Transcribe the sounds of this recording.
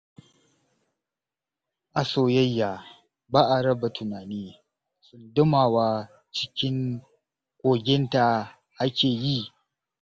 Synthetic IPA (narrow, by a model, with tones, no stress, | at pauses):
ʔa˨soː˨jɐ˦jːaː˨ | baː˦ʔa˨ɾɐ˦ba˨tʰʊ˨naː˨niː˦ | sʊ˨ndʊ˦maː˨waː˦ | t͡ʃɪ˦kʲɪ˦ŋ | kʷʼoː˨ɡʲɪ˦nta˨ | ʔa˦kʲeː˨ji˦˨